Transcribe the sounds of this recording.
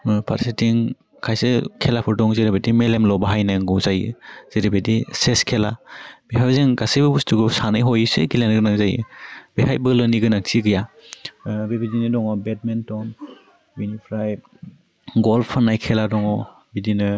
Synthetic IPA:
pʰa̰ɾsitiŋ | kʰajsɯkʰelapʰɯɾdɔŋzeɾebedimelemlɔbaɦajnajŋɡɯzajɯ̰z̥eɾebediseskʰelabiɦajbzɯŋɡasɯjbɯbustɯɡɯsanɯjɦɔjɯsḛɡilenɡɯnaŋzajɯ̰b̥ehajbɯlɯniɡɯnaŋsiɡɯja | bebidinɯdɔŋɔbet̚mentɔn | binipʰɾaj | ɡɔlpʰːanːajkʰeladɔŋɔ | bidinɯ

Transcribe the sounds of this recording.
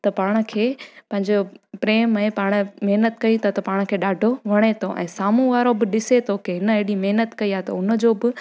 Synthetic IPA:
t̪ɐpaːɽ̃ə̆kʰeːpɐ̃ɦɪ̃ɲd͡ʑopɾeːmɛ̃paːɽ̃əmeɦnət̪kɐĩt̪ʰat̪ɐpaːɽ̃̆kʰeːɗaːɖʱoʋɐɽ̃et̪ʰoʔɛ̰̃ːsaːmũʋaːɾobɪɗɪset̪ʰokɪɦɪnəɐɦɪɽimɐɦnət̪kɐiaːt̪ɐ̰ʊnə̆d͡ʑoːbɪ

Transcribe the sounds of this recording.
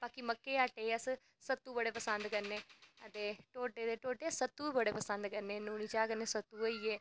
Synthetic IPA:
baːkiməkːeːaːʈeːəs | sət̪ːuːbəɽeːpəsənd̪kəɾneːət̪eːʈoːʈeːd̪eːʈoːʈeːsət̪ːuːbəɽeːpəsə̃nd̪kəɾneːnuːniːt͡ʃaːkəɾneːsət̪ːuːoiːɛː

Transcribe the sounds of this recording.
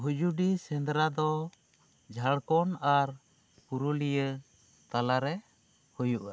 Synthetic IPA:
ɦud͡ʒuɖisɛnd̪ɾad̪ɔ | d͡ʒʱaɽkɔnaɾ | puɾulijə | t̪alaɾɛ | hujuʔa

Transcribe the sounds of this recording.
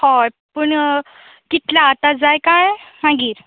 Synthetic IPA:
hɔj | pəɳ | kit̪ljaːt̪ad͡zajkajmaɡiːɾ

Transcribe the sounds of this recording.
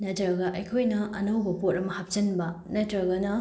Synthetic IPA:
nɐtɾɐɡɐʔɐjkʰojnɐʔɐnowbɐpot̚ɐmɐhap̚t͡ʃɐnbɐnɐtɾɐɡɐnɐ

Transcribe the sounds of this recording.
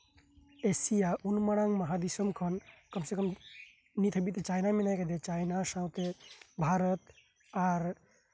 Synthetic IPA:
esijaʔunmaɽ̃ãŋməɦad̪isɔmkʰɔnkəmsekəm | nit̪ʰəbit̪et͡ʃajnamenajkad̪et͡ʃajnasãwt̪ebʱaɾɔt̪ | aɾ

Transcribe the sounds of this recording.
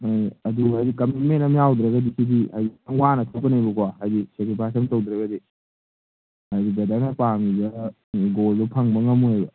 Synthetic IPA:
ajɐduɦajdikɐmit̚mentɐmjawdɾɐɡɐdisidihajdiawanɐtʰopɐnejbɐkwaɦajdisekɾipʰasɐmtowdɾɐɡɐdi | ajdiɡɐdanɐpamibɐ | ɡolbɐpʰaŋbɐŋɐmːuojbɐ

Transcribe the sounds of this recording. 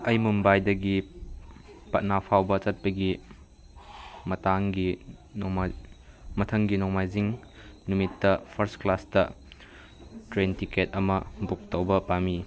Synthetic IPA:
ɐjmumbajdɐɡi | pɐt̚napʰawbɐt͡ʃɐt̚pɐɡi | mɐtaŋɡi | mɐtʰɐŋɡinɔmajziŋ | numitːɐpʰɐɾstklastɐ | tɾentiketɐmɐbuk̚tɐwbɐpami

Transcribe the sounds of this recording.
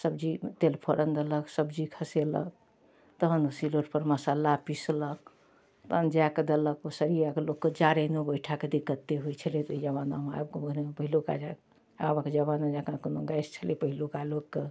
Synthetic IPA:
səbd͡ʒit̪elpʰoɾənd̪ələksəbd͡ʒikʰəselə̰k̚ | t̪əɦənsiloʈpəɾməsalapislək̚ | t̪əɦənd͡ʒaked̪ələkosəɾijakelokːed͡ʒaɾenobəjʈʰaked̪ikːət̪ːeɦot͡ʃʰəlet̪id͡ʒəβana̰ma̰b̚kobonepəɦiloka̰d͡ʒak | abaked͡ʒəβanad͡ʒakãkonoɡajst͡ʃʰəlepəɦilokalokːe

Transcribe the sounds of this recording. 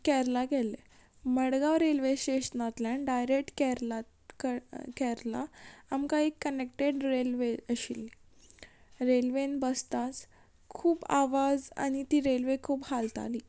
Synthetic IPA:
kɛɾlaɡɛle | məɽɡaʋɾelʋeɕeɕnat̪ljanɖajɾek̚ʈkɛɾla | kkɛɾla̰amkaekːənek̚ʈeɖɾelʋeəɕilːi | ɾelʋenbəst̪at͡s | kʰuːpa̰ʋad͡za̰ñit̪iːɾelʋekʰuːbhalt̪a̰liː

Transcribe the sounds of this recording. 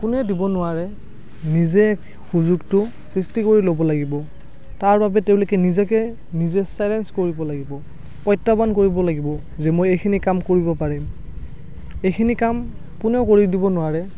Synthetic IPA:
kʊnɛdibɔnʊwaɹɛ | nizɛk | xuzuɡtʊ | sɹistikoɹilobɔlaɡibɔ | taɹbabɛtɛʊlokɛnizɛkɛ | nizɛsajlɛnskoɹibɔlaɡibɔ | pɔjtːabankoɹibɔlaɡibɔ | zɛmojejkʰinikamkoɹibɔpaɹim | ejkʰinikam | kʊnɛʊkoɹidibɔnʊaɹɛ

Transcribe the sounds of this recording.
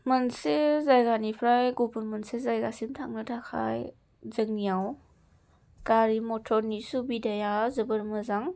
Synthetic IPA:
mɯnsezajɡanipʰɾajɡupunmɯnsezajɡasimtʰaŋnɯtʰakʰa̰j | zɯŋnijaw | kaɾimɔtʰɔɾnisubidajazɯbɯɾmɯzaŋ

